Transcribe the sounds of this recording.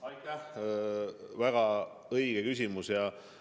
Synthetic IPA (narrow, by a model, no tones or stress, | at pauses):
ɑjt̪ːˑæh | væɡ̥ɑ | ɤjɡ̥ekys̬ʲimusjɑ